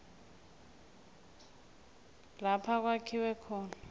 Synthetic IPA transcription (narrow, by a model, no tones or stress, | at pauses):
lapʰak̬ʼwakʰiwɛkʰɔːnaa